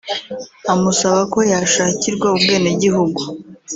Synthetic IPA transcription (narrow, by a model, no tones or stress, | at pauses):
amusaβako̞jaːʃaːciɾɡwaubɡe̞ːneɟiɦuɡu